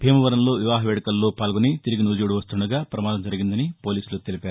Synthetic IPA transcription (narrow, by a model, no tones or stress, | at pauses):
bʱeːmɐʋɐɾɐmlo̞ːʋiʋaːɦɐʋeːɽɐkɐlːo̞ːpaːlɡonit̪iɾiɡinud͡ʒuːɽuʋɐst̪uɳɖuɡaːpɾɐmaːd̪ɐmd͡ʒɐɾiɡind̪ɐnipo̞ːliːsulut̪elipaːɾu